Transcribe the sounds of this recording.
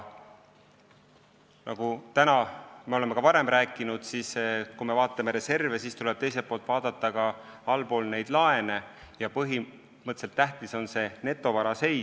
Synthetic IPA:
nɑɡ̥ut̪ænɑmeo̞le̞mekɑvɑɾe̞mræːkːˑinud̪̥siːskume̞vɑːt̪ːˑɑme̞ɾe̞se̞rvesiːst̪ule̞b̥̚t̪e̞js̬epːo̞ːlt̪ˑvɑːd̪̥ɑt̪ːˑɑɡɑɑlpo̞ːlne̞jd̪̥lɑe̞ne̞ | jɑpɤɦi | mɤt̪ːˑse̞lt̪ːæht̪iso̞nse̞ne̞t̪ːˑo̞vɑɾɑse̞j

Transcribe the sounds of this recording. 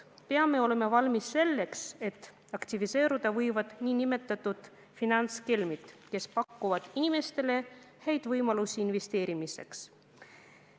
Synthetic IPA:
pe̞ɑme̞o̞le̞mevɑlmisːe̞lːe̞kse̞t̪ːˑ | ɑkt̪ivise̞ːɾud̪̥ɑvɤjvɑd̪̥niːnime̞t̪ːˑɑt̪ːˑud̪̥ | finɑnt̪skelmit̪ˑke̞spɑkːuvɑd̪̥inime̞st̪e̞le̞ | he̞jd̪̥vɤjmɑlusiinve̞st̪e̞ːɾimise̞̰ks

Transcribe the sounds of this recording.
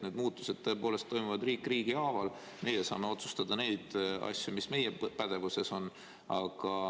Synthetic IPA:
ne̞ːd̪muːt̪ːˑu̥sed̪̚t̪ːɤ̞e̞po̞ːle̞st̪ːo̞jmuvɑd̪riːkːˑriːɡiɑːvɑl | me̞jesɑ̰ːme̞o̞t̪su̥st̪ɑd̪̥ɑne̞jd̪̥ɑ̰sʲːjumisme̞jepæd̪̥e̞vuse̞so̞nː | ɑɡ̥ɑ

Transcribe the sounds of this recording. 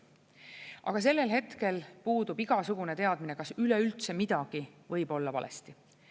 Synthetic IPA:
ʔɑ̰ɡ̥ɑs̬e̞lːe̞lɦe̞t̪ke̞lpuːd̪ubiɡ̥ɑsuɡ̥une̞t̪e̞ɑd̪̥minekɑsyleylt̪se̞mid̪̥ɑɡ̥ivɤjbo̞lːɑvɑ̰lḛst̪i

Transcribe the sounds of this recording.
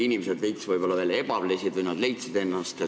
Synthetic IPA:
inimesed̪lejtt̪svɯjb̥o̞lːɑveːljeb̥ɑvlesid̪vujnɑd̪le̞jt̪sid̪e̞nːɑst̪e

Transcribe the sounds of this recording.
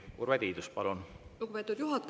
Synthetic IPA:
kuɾved̪iːd̪uspɑlunluɡupe̞t̪ːˑud̪juɦɑt̪

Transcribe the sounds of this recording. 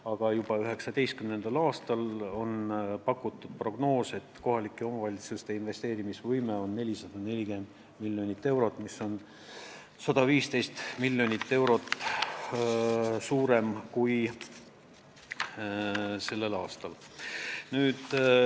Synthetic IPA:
ɑɡ̥ɑjubɑyɦe̞ksɑd̪e̞jst̪̚kymne̞nd̪̥ɑlɑːst̪ɑlo̞npɑkːˑut̪ːˑud̪̥̚pro̞ɡ̥no̞ːset̪ːko̞ɦɑlikːio̞mɑvɑlʲit̪sust̪e̞inve̞st̪e̞ːɾimisvɤjmeo̞nːe̞lʲisɑd̪̥ɑne̞lʲiɡ̥e̞nd̪̥ | milʲːjo̞nʲit̪ːe̞wɾo̞t̪ːˑmiso̞n | sɑd̪ɑviːst̪e̞jst̪milʲːjo̞nʲit̪ːe̞wɾo̞t̪ː | suːɾe̞mkuj | se̞lːe̞lɑːst̪ɑl | nyːd̪̥

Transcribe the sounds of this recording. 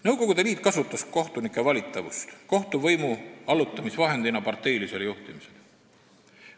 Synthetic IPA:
nɤwko̞ɡ̥ud̪e̞liːt̪̚ˑkɑsut̪ːˑɑsko̞ht̪unikˑːe̞vɑlʲit̪ˑːɑvṵst̪ko̞ht̪uvɤjmuɑlut̪ːˑɑmisvɑɦe̞nd̪inɑpɑrt̪ˑːe̞jlise̞ljuht̪imisel

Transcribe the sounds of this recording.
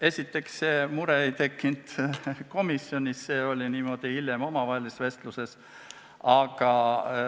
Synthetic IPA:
e̞sʲit̪ːˑe̞ksːeːmuɾeejt̪e̞kːind̪̥ko̞misjo̞nʲisːeːo̞lʲiniːmo̞d̪̥iiljemo̞mɑvɑhelisve̞st̪luse̞s | ɑɡ̥ɑ

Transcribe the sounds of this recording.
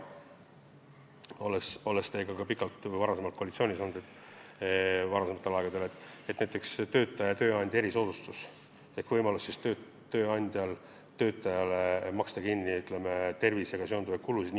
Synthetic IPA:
o̞leso̞lest̪e̞ɡɑkɑpikːˑɑlt̪vɑɾɑsemɑlt̪koɑlit̪sio̞ːnʲiso̞nːud̪et̪ːˑ | vɑɾɑsemɑt̪ːˑe̞lɑeɡɑd̪e̞le̞t̪ːˑet̪næjt̪ːˑe̞kst̪ø̞ːt̪ːˑɑjɑt̪ø̞ːɑnʲd̪̥ʲe̞ɾiso̞ːd̪̥ust̪us | e̞hkvɤjmɑlusːist̪ø | t̪ːøːɑnʲd̪̥ʲjɑl | t̪ø̞ːt̪ːˑɑjɑlemɑkst̪ɑkinʲːiyt̪ˑlemet̪e̞rviseɡ̥ɑso̞nd̪uvɑj̥̪kulusid̥̪n

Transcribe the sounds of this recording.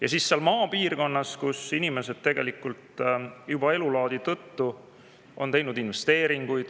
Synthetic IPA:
jɑsiːsːeɑlmɑːpiːrko̞nːɑskusinime̞se̞d̪̥̚t̪e̞ɡe̞̰likːˑult̪jub̥ɑe̞lulɑːd̪̥it̪ɤt̪ːu | ʔo̞̰nt̪e̞jnud̪̥inve̞st̪e̞ːɾiŋɡ̥ujd̪̥

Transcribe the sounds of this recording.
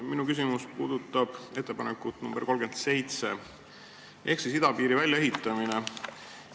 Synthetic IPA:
minukys̬ʲimuspuːd̪̥ut̪ːˑɑb̥e̞t̪ːe̞pɑnekˑut̪numb̥erko̞lɡ̥e̞nd̪se̞jt̪se̞ | ʔe̞ksisid̪ɑpiːɾivælʲjɑe̞ɦit̪ːˑɑmine

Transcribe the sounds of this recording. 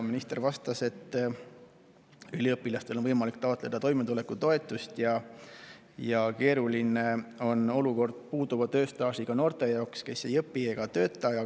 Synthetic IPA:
minist̪e̞ɾvɑst̪ɑse̞t̪ː | ylʲiɤpːˑilɑst̪elo̞nvɤjmɑlikt̪ɑot̪le̞d̪̥ɑt̪o̞jmet̪ule̞kːˑut̪o̞e̞t̪ːˑust̪jɑ | jɑke̞ːɾuline̞o̞no̞luko̞rd̪̥̚puːd̪uvɑt̪øːst̪ɑːsiɡ̥ɑno̞ːrt̪ˑe̞jɑokske̞se̞jɤpːieɡ̥ɑt̪ø̞ːt̪ːˑɑɑ

